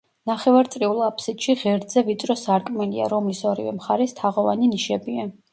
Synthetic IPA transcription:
naχɛvaɾt̪sʼɾiulˠapʰʼsit̪ʃiʁɛɾd̪zɛvit̪sʼɾɔsaɾkʼmɛlḭa̰ɾɔmlisɔɾḭvɛ̰mχaɾɛst̪ʰaʁɔva̰niniʃɛbia

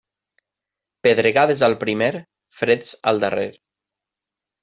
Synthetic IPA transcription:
peðɾeɣaðezalˠpɾimeɾ | fɾet̪sə̰lˠd̪ərḛɾ

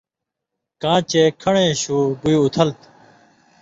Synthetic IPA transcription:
kãːt͡ɕeːkʰɐɳẽːɕuːɡuiːʊt̪ʰəlt̪

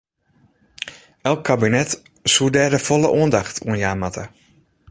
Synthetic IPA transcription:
ɛlˠkʰːabinɛt | sudɛːrdəfɔlˠəʔuəndaxtʰṵənjaːmatə

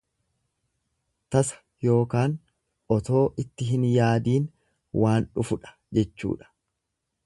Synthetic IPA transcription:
t̪ɐsɐ̥ | jo̞ːkaːn | ʔɔt̪o̞ːʔɪt̪ːɪɦɪnjaːd̪iːn | wʔaːnᶑʊfʊᶑɐ̥ | d͡ʒɛt͡ʃːṵːᶑɐ̥

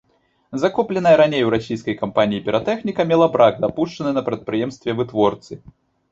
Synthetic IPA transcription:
zakɔplʲɛnɐjɐɾanʲejwɾasʲijskɐjkampanʲijipʲɪɾat̪ɛxnʲikɐmʲɛlˠɐbɾaɡd̪apuʂt͡ʂɐnɨnɐpɾɐt̪̚pɾɨjɛmst̪vʲɛvɨt̪vɔrt̪sɨ

